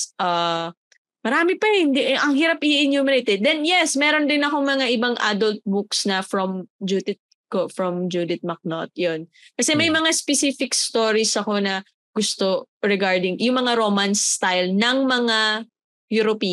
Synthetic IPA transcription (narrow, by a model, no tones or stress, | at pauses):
ʔa | mɐɾaːmɪpɐhɪnd̪iʔʔɐŋhiɾapʔɪɪnjuːmɪɾejt̪ɛd̪̚ːɛnjɛsmɛːɾond̪ɪnɐko̞ŋmɐŋaʔɪbaŋʔad̪olt̪̚buksnɐfɹomd͡ʒud̪ɪt̪̚ | kofɹɐmd͡ʒud̪ɪt̪̚mɐk̚not̪̚jon | kɐsɛmɐjmɐŋaspɛsifɪkst̪oːɹisɐko̞nɐ | ɡʊst̪o̞ | ɹɛɡaɹd̪ɪŋjʊŋmɐŋaɾoːmansːt̪ajlnɐŋmɐŋa | juɾopi